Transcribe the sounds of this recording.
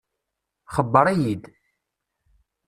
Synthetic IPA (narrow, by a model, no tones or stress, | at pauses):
χəbːəɾˤæjid̪